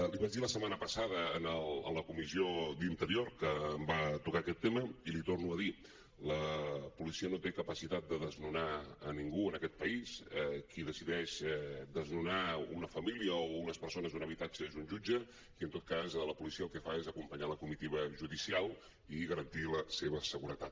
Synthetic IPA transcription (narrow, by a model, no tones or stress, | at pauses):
liβad͡ʒd̪iləsəmanəpəsað̞əːnəlˠə̰nləkumiziod̪int̪əɾiorkəːmbat̪ukaːkɛt̪ːeməilit̪ornuəði | ləpulisiənot̪ekəpəsit̪at̪̚d̪əðəznunaə̰niŋɡuənəkɛt̪̚pəisɛkʰiðəsiðɛʃɛd̪əznunaṵnəfəmiliəounəspəɾsonəzunəβit̪ad͡ʒəezunʒud͡ʒə | iənt̪ot̪̚kazləpulisiəːlˠkɛfaezəkumpəɲaləkumit̪iβ̞əʒuðisialˠ | iɣəɾənt̪iləseβəsəɣuɾət̪at̪̚